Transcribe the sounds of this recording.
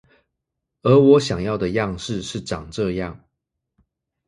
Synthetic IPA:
ə˧˥wɔ˧˥ɕjɑ˨˩ŋjɑ˥˩ʊd̪ə˩jɑ˥˧ŋʂɻ̩˥˧ʂɻ̩˥˩ʈ͡ʂɑ˨˩ŋʈ͡ʂɤ˥˧jɑ˥˩ŋ

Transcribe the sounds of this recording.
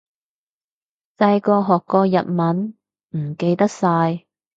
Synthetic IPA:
t͡sɐ˧jkɔː˧ɦɔː˨˩kːɔː˧jɐ̰˨t̚mɐ˨˥n | m̩˨˩ke˧jt̪ɐ˥k̚saː˧j

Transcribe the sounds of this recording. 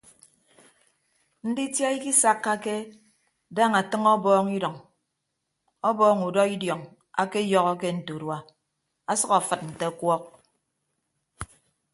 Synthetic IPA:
n̩˦di˦tja˦i˦ki˦sa˦kːa˦ke˦ | da˦ŋa˨tɨ˦ŋɔ˦bɔː˦ŋi˦dɔ˨ŋ | ɔ˦bɔː˦ŋu˨dɔ˦i˦djɔ˨ŋ | a̰˦ke˦jɔ˦ɣɔ˦ke˦n̩˨to˨dwa˦ | a˦sɔ˦ka˨fɨ˨t̚n̩˨te˦kwɔ˦k̚

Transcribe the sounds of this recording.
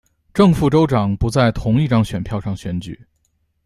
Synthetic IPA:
ʈ͡ʂɤ˥˧ŋfu˥˩ʈ͡ʂo˥ʊʈ͡ʂɑ˨˩ŋpu˧˥t͡sa˥˩ɪt̪ʰʊ˧˥ŋi˥˩ʈ͡ʂɑ˥ŋɕɥɛ˨˩npʰjɑ˥˧ʊʂɑ˥˩ŋɕɥɛ˧˥nt͡ɕy̰˨˩˦

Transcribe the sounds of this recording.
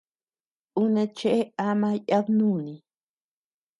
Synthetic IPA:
u˦ne˧t͡ʃe˦ʔe˦a˦ma˦ja˦bnu˦ni˨

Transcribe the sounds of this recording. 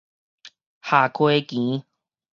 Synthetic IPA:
ha˨˩kʰwe˦kĩ˨˦

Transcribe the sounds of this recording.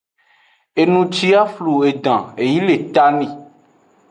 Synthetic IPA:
e˨nũ˨t͡ʃi˦a˦flu˨e˨ɖ̪ã˨e˨ji˦le˨t̪a˦nĩ˨

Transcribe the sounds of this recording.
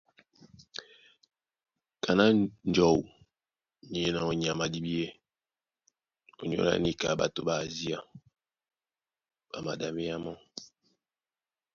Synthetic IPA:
kʰa˨na˦n˦d͡ʒɔ˨w | ɲe˨˦na˨o˨ɲ˨a˨ma˨di˦bi˦e˦ | o˨ɲo̰˦la̰˦ni˦ka̰˨ba̰˨to˦ba˦˨zi˦a˦˨ | ba˨ma̰˨da˨mi˦a˦mɔ˦

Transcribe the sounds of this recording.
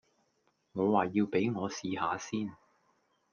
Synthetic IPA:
ŋɔː˨˧waː˨jiː˧wpe˨˥jŋɔː˨˧siː˨˧haː˨˧siː˥n

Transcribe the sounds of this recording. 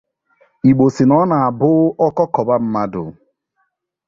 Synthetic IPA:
i˨ɡ͡bo˨si˨nɔ˦na˨a˨bʊ˦ɔ˦kɔ˦kɔ˨ba˦m̩˦ma˦dʊ̰˨

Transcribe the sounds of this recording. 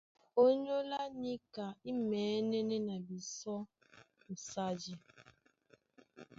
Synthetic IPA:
o˦ɲo˦la˦ni˦ka˨i˦meː˨˦ne˦ne˦na˨bi˨sɔ˦ | m̩˨sa˦d͡ʒi˦

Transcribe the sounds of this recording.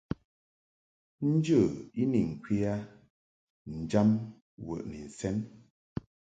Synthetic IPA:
n̩˦d͡ʒə˦˨i˦ni˨ŋ̩˨kwi˦a˦ | n̩˨d͡ʒa˦m | wə̰˨ʔni˨n̩˨sɛ˦n

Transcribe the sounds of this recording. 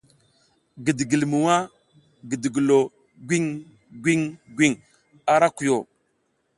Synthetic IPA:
ɡə˨di˨ɡi˨lmu˨wa˦ | ɡə˨di˨ɡi˨lo˨ | ɡʷi˦ŋ | ɡʷi˦ŋɡwi˦ŋ | a˨ɾa˦ku˨jo˨

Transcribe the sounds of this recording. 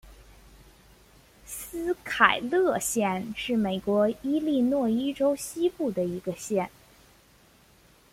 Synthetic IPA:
sɹ̩˥kʰa˨˩ɪlɤ˥˧ɕjɛ˥˧nʂɻ̩˥˩me˨˩ɪkwɔ˧˥i˥li˥˧nwɔ˥˩i˥ʈ͡ʂo˥ʊɕi˥pu˥˩d̪ə˩i˧˥ɡə˧ɕjɛ˥˩n

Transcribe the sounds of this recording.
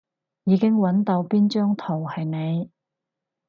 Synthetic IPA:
jiː˨˧kɪ˥ŋwɐ˨˧˥nt̪o˧wpiː˥nt͡ʃœː˥ŋt̪ʰo˨˩whɐ˨jne˨˧j

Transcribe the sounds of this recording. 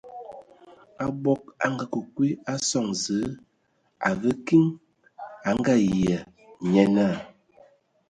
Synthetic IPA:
a˦bɔ˦k̚a̰˦ŋ˦ɡa˦kə˨kwi˦a˦sɔ˦˨ŋzə˨˦ | a̰˨ɣə˦ki˦ŋ | a˨ŋ˦ɡa˦jjə˨ | ɲɛ˦na˦˨

